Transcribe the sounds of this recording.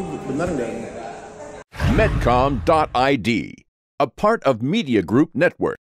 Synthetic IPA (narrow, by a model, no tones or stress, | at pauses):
bənaɾɡa | mɛt̚kʰɑ̃mdɑɾaɪdḭ | əpʰɑɹɾʌvmiɾiɨɡɹup̚nɛt̚wə̰˞k̚